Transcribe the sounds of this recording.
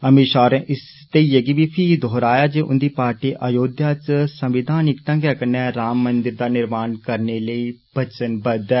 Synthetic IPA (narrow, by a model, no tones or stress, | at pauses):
əmiʃaːɾɛ̃ːʔɪs | t̪eiːjəɡiːbiːpʰid̪ʱoːɾaːjaːd͡ʒeːʔʊ̰nd̪iːpaːɾʈiːʔajoːd̪jaːt͡ʃsəmʋɪd̪ʱaːnɪkt̪ãːɡjaːkəɾnɛːɾaːmːənd̪ɪɾd̪aːnɪɾmaːnkəɾneːləiːbət͡ʃənbəd̪ɛː